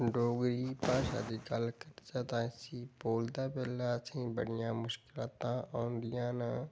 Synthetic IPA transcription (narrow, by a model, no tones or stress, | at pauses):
ɖoːɡɾipaʃa̰d̪ikalkəɾd͡ʒaːt̪ãːsiboːld̪aːbelaːsʰĩːbəɽɪjãːmʊʃkɪlaːt̪ãɔːnd̪ijãːnã